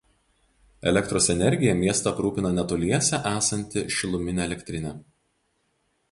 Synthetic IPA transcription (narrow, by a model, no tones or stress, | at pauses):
ɛ̰lʲɛkt̪ɾoːsɛnʲɛɾʲɡʲɪjɛmʲiɛst̪ɐpɾuːpʲɪnɐnʲɛt̪ʊlʲiɛsʲɛʔæːsɐnʲt̪ʲɪʃʲɪlˠʊmʲɪnʲɛɛlʲɛkʲt̪ʲɾʲɪnʲɛ